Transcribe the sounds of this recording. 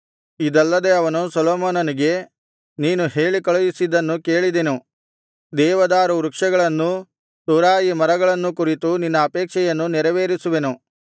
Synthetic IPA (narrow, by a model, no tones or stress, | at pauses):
id̪ɐlːɐd̪e̞ɐʋɐnusɐlɔːmoːnɐniɡe̞ | niːnuhe̞ːɭikɐɭujisid̪ɐnːuke̞ːɭid̪e̞nu | d̪ɛːʋɐd̪aːɾuɾukʂɐɡɐɭɐnːu | suɾaːjimɐɾɐɡɐɭɐnːukuɾit̪uninːɐːpɛːkʂɛjɐnːunɛɾɐʋeːɾisuʋe̞nu